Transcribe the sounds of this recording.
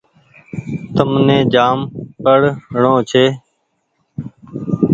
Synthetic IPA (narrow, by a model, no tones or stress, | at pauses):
t̪əmnẽːd͡ʒaːmpəɽɳõːt͡ʃʰeː